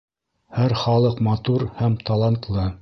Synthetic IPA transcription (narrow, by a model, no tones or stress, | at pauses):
hæɾχɑlˠɤqmɑt̪uɾhæmt̪ɑlˠɑnt̪lˠɤ